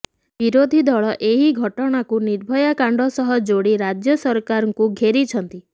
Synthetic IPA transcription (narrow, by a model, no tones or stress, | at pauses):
biɾod̪ʱid̪ɔɭɔʔeɦiɡʱɔʈɔɽ̃akuniɾbʱɔjakaɳɖʱɔsɔɦɔd͡ʒoɽiɾad͡ʒjɔsɔɾkaɾɔŋkuɡʱeɾit͡ʃʰɔnt̪i